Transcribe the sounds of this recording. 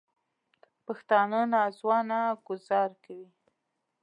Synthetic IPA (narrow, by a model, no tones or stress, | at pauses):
paxt̪ɑnənazwɑnaɡʊzɑɾkawi